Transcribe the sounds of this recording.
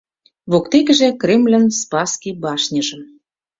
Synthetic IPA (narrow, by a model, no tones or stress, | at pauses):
βokt̪ekɘ̆ʒĕkremlʲə̆nspɑskibɑʃnʲə̆ʒə̆m